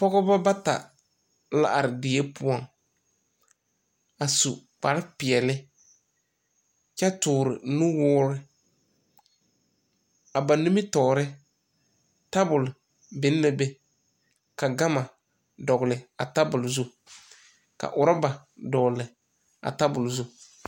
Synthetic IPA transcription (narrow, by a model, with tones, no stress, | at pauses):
pɔ˦ɣɔ˦ba˦ba˦ta̰˨ | la̰˦ʔa˨ɾɪ˨dɪ˨e˦pʊ˦ɔ˦˨ŋ | a˨su˨k͡pa˨ɾɪ˦pɪ˨ɛ˨lɪ˦ | t͡ʃa˦tʊː˨ɾɪ̰˨nu˦wɔː˦ɾɪ˦ | a˨ba˨ni˦mɪ˦tɔː˨ɾɪ˦ | ta˦bʊ˨l | bɪ˨˦n˦la˦be˦ | ka˨ɡa˦ma˨ | dɔ˨ɡlɪ˨a˨ta˦bʊ˨lzu˦ | ka̰˨ʔʊ˨ɾa˦ba˨ | dɔ˨lɪ˨ | a̰˨ta˦bʊ˨lzu˦